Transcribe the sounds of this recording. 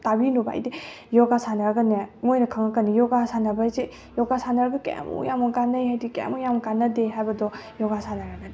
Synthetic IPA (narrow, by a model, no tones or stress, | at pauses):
tabinuba̰jdi | jɔɡasanaɾaɡanemojnɐkʰaŋakanijɔɡasanabajze | jɔɡasanaɾɡɯkḛa̰mṵjamɔɡanːajɦajdikḛmujamɡanːadeɦajbɐdɔjɔɡasanaɾaɡani